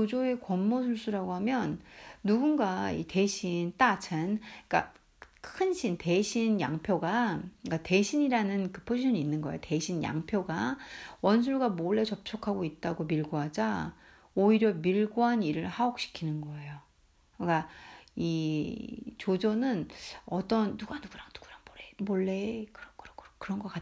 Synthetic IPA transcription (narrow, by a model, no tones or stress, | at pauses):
t͡ɕod͡ʑoe̞kwʌmːʌs̬ʰuɭs͈uɾaɡoɦamjʌnːuɡunɡaḭte̞ɕʰint͈at͡ɕʰɯnk͈a̰ | kʰɯnɕʰinte̞ɕʰinja̰ŋpʰjoɡakate̞ɕʰiɲiɾanɯnkɯpʰod͡ʑʰiɕʰʌniinːɯnɡʌejote̞ɕʰinja̰ŋpʰjoɡawʌns̬ʰuɭɡamoɭːe̞t͡ɕʌp̚t͡ɕʰokʰaɡoit̚t͈aɡomiɭɡoɦad͡ʑa | oiɾjʌmiɭɡoɦaniɾɯɭhaok̚ɕ͈ʰi̥kʰinɯnɡʌe̞jo | kai | t͡ɕod͡ʑʌnɯnʌt͈ʌnːuɡanuɡuɾaŋnuɡ̥uɾaŋboɾemoɭːe̞kɯɾʌkɯɾʌkkɯɾʌnɡʌk͈at